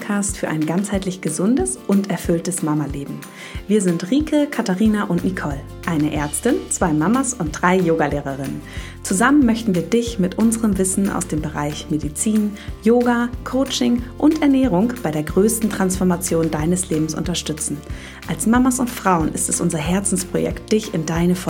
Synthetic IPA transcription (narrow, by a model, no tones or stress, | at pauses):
kʰaːstfyːɐʔa̰ɪnɡant͡shaɪtlɪçɡ̥əzʊndəsʔʊntɛɐfʏltəsmamaleːbm̩ | viːɐzɪntʁiːkʰəkʰataʁiːnaʔʊntnikʰɔl | ʔaɪnəʔɛɐt͡stɪnt͡sv̥aɪmamɐsʊnt̚d̥ʁaɪjoːɡaleːʁ̞əʁ̞ɪnə̰n | t͡suzamənmœçtn̩viːɐdɪçmɪtʔʊnzəʁəmvɪsn̩a̰ʊsd̥eːmbəʁa̰ɪçmedit͡siːnjoːɡakʰoʊt͡ʃɪŋʔʊntʔɛɐnɛːʁ̞ʊŋb̥aɪɾeːɐɡʁøːstn̩tʁ̥ansfɔɐmat͡sjoːndaɪnəsleːbm̩sʔʊ̰ntɐʃtʏt͡sn̩ | ʔalsmamɐsʊntfʁ̥aʊənɪ̰stɛsʔʊnzɐɦɛɐt͡sn̩spʁ̥o̰jɛ̰kt̚d̥ɪçɪndaɪnəfɔ